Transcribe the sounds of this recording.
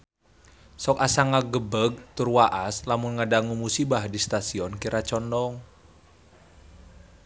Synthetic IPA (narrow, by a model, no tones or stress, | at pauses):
sɔkasaŋaɡəbəɡ̚t̪urwaʔaslamunŋadaŋumusibahdist̪asiɔnkiɾʔat͡ʃɔndɔŋ